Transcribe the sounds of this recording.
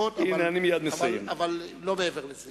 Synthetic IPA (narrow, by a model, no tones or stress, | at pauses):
ot̪ineanimijad̪mesajemavallomeeveʁlez